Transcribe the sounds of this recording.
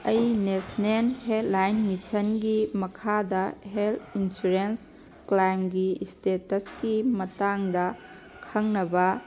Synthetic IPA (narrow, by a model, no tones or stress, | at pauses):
ɐjnesnenɦedlajnmisɐnɡimɐkʰadɐɦeltinsuɾens | klajmɡistetɐskimɐtaŋdɐ | kʰɐŋnɐbɐ